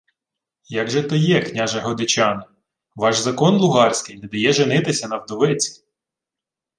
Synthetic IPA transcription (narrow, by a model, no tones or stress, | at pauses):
jɐɡʒɛt̪ɐjɛknʲaʒɐɦɔd̪ɪt͡ʃʲɑnɪ | ʋɑʒzɐkɔnlˠʊɦɑrʲsʲkɪjnɛd̪ɐjɛʒenɪt̪ɪsʲɐnɐwd̪ɔʋɪt͡sʲi̥